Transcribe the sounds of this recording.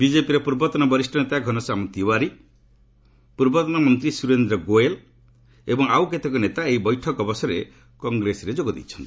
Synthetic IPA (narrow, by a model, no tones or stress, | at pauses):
bid͡ʒepiɾepuɾbɔt̪ɔnɔbɔɾisʈʰɔnet̪aɡʱɔnɔsamɔt̪iwaɾi | puɾbɔt̪ɔnɔmɔnt̪ɾisuɾend̪ɾɔɡoel | ebɔŋauket̪ʰekɔnet̪aeibɔjʈʰɔkɔbɔsɔɾe | kɔŋɡɾesɔɾed͡ʒoɡɔd̪ḭt͡ʃʰɔnt̪i̥